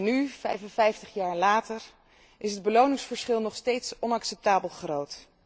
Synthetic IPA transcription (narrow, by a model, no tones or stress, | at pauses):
nyfɛ̰jfənvɛjftəχjaːɹlaːtəɹ | ʔɪsɦəd̚bəlownɪŋsfəɹsχɪlˠnɔχstejtsɔnɑksɛp̚taːbəlˠχrowt